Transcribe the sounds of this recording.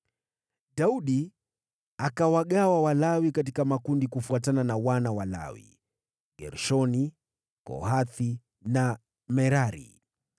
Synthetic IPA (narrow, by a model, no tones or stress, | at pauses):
ɗauɗi | akawaɠawawalawikat̬ikamakundikufuatananawanawala̰wḭ | ɡɛ̰ɾʃɔni | kɔ̰ɦaθi | na | mɛɾaɾḭ